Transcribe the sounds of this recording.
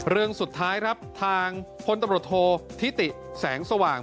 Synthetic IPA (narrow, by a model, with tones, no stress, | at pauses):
ɾɯ˧əŋsu˨˩t̪ʰːaː˦˥jkʰɾa˦˥p̚t̪ʰaː˧ŋpʰo˧nt̪a˧mɾoː˨˩t̪ʰoː˧t̪ʰi˦˥t̪i˨˩ | sɛː˩˦ŋsa˧waː˨˩ŋ